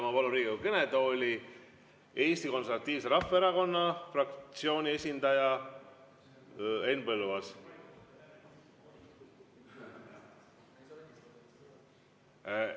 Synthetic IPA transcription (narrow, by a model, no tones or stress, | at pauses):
mɑpoluɾiːɡikukened̪ooːlʲi | e̞ːst̪iko̞nseɾvɑt̪ˑːiːvse̞ɾɑfːeeɾɑko̞nːɑfrɑk̚t̪sio̞ːnʲie̞sʲind̪̥ɑjɑ | enpɤlvɑs